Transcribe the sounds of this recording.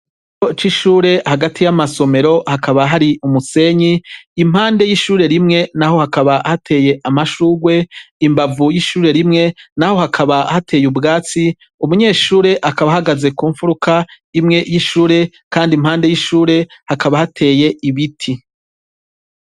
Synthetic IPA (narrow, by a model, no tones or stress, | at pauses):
it͡ʃot͡ʃiʃuːɾe̞haɡatʰijamaso̞me̞ɾo̞hakʰaβaɦaɾiʔumuse̞ɲiːm̥haːnde̞jiʃuːɾe̞ɾimŋe̞naho̞hakaβahatʰe̞ːje̞ʔamaʃuːɡwe̞imbavujiʃuːɾe̞ɾimŋe̞naho̞hakʰaβahatʰe̞ːjubɡaːt͡si | umuɲe̞ːʃuːɾe̞ʔakaβahaɡaze̞kuːɱfuɾukʰa | imŋe̞jiʃuːɾe̞ | kaːndimhaːnde̞jiʃuːɾe̞hakʰaβahatʰe̞ːje̞ʔiβitʰi